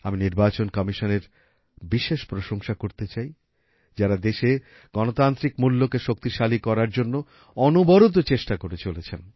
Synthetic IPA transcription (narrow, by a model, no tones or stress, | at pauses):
aminiɾbat͡ɕonkɔmiʃoneɾ | biʃeʃpɾoʃoŋʃakoɾt̪et͡ɕaj | d͡ʑaɾad̪eʃe | ɡ̥ɔnot̪ant̪ɾikmulːokeʃok̚t̪iʃalikɔɾaɾd͡ʑonːo | ɔnobɔɾot̪̬ot͡ɕeʃʈakoɾet͡ɕolet͡ɕʰen